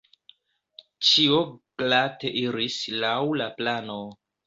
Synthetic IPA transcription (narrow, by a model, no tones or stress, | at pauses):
t͡ʃioɡlateʔiɾislawlaplano